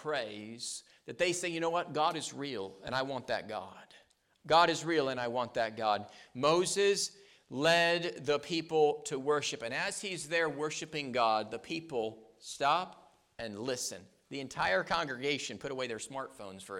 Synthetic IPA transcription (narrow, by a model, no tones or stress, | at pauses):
pʰɹ̥eɪz̥ | ðɨt̪̚ðeɪseɪjɨñoʊwʌt̚ɡ̥ɑɾɨzɹilˠə̰̃ñaɪwɑ̃nðɨ̰t̚ɡ̥ɑ̰d̥ | ɡɑɾɨzɹilˠə̃ñaɪwɑ̃nðɨt̚ɡ̥ɑd̚moʊzɪz | lɛd̪̚ðəpʰipl̩ˠtʰɨwɜ˞ʃɨpɨ̃nɨz̥izðə˞wɜ˞ʃɨpɪ̃ŋɡɑd̪̚ðɨpʰipl̩ˠ | stɑp | ɨ̃nlɪsɨ̰̃n | ðiɨ̃ntʰaɪə˞kʰɑ̃ŋɡɹɨɡeɪʃɨ̃npʰʊɾəweɪðə˞smɑɹtfõʊ̃nz̥fə˞